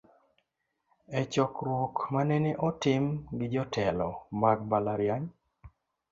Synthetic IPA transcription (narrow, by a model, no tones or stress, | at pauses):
ɛt͡ʃɔkɾwokmanɛneʔɔtɪmɡɪd͡ʒɔtʰɛlɔmaɡ̚balaɾjaɲ